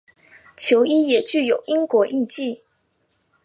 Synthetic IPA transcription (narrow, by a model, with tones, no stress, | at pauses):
t͡ɕʰjo˧˥ʊi˥jɛ˨˩t͡ɕy˥˩jo˨˩˦ʊʔi˥ŋkwɔ˧˥ʔi˥˧t͡ɕi˥˩